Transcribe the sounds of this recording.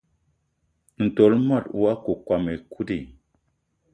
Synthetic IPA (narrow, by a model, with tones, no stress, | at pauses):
n̩˨to˨˦lma˦˨twa˦ko˨kwa˨me˨kʰu˦di˨